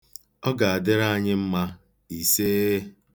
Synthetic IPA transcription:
ɔ˦ɡa˨a˨dɪ˦ɾa˦ɲɪ˦m̩˦ma˦ | i˨se˦

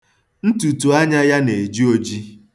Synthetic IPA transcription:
n̩˦tu˨tu˨a˦ɲa˦ja˦ne˨d͡ʒi˦o˦d͡ʒi˦

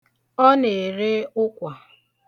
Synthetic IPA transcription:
ɔ˦ne˨ɾe˦ʊ˦kʷa˨

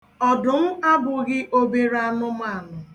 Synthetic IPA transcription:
ɔ˨dʊ˨m̩˦a˦bʊ˨ɡɪ˦ʔo˦be˨ɾa˦˨nʊ˦m˦a˦˨nʊ˨

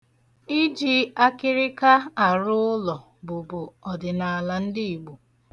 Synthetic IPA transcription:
i˦d͡ʒi˦a˦kɪ˦ɾɪ˦ka˦a˨ɾʊ˦ʊ˦lɔ˨ | bʊ˨bʊ˨ɔ˨dɪ˨na˨la˨n̩˦dɪ˦i˨ɡ͡bu˨

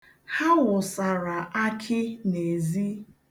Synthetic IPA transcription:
ha˦wʊ˨sa˨ɾa˨ʔa˦kʰɪ˦ne˨zi˦

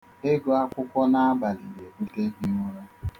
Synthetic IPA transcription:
e˦ɡo˦a˦kʷʊ˦kʷɔ˦na˦a˦ba˨li˨de˨ɡ͡bu˦te˦bi˨˦ŋʷo˦ɾa˦

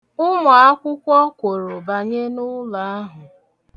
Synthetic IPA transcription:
ʊ˦mʊ˨a˦kʷʊ˦kʷɔ˦kʷo˨ɾo˨ba˨ɲe˦nʊ˦la˨a˦ɦʊ˨

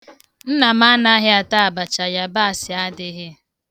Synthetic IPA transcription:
n̩˦na˨ma˦na˦ɦɪ˦a˨ta˦a˨ba˨t͡ʃa˨ja˦ba˦a˨sɪ˨a˦dɪ˦ɦe˦

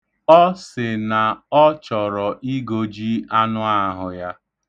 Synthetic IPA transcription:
ɔ˦sɪ˨na˨ɔ˦t͡ʃɔ˨ɾɔ˨ʔi˦ɡo˨d͡ʒi˦a˦nʊ˦a˦ɦʊ˨ja˦

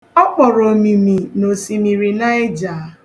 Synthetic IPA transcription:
ɔ˦k͡pɔ˨ɾɔ˨mi˨mi˨no˨si˨mi˨ɾi˨na˦e˦d͡ʒa˨˦

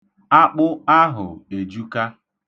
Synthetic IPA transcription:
a˦k͡pʊ˦a˦ɦʊ̰˨e˨d͡ʒu˦ka˦

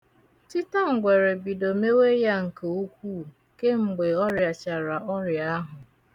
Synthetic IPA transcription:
ti˦ta˦ŋ̩˨ɡʷe˨ɾe˨bi˨do˨me˦we˦ja˦ŋ̩˨ke˨u˦kʷuː˦˨ | ke˦ŋ͡m̩˨ɡ͡be˨ɔ˦ɾja˨t͡ʃa˨ɾa˨ʔɔ˦ɾja˨˦ɦʊ˨

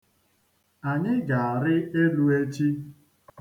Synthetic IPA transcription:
a˨ɲɪ˦ɡa˨a˨ɾɪ˦e˦lu˦e˦t͡ʃi˦

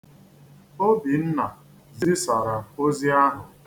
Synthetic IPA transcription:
o˦bi˨n̩˦na˨ | zɪ˦sa˨ɾa˨o˦zi˦a˦ɦʊ˨

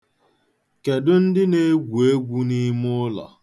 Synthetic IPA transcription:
ke˨dʊ˦n̩˦dɪ˦ne˦ɡʷu˨e˦ɡʷu˦ni˦mʊ˦la̰˨

